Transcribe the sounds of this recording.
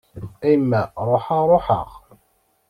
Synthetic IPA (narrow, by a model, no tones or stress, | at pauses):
æjmːæɾˤoħɑɾˤoħə̰ʁ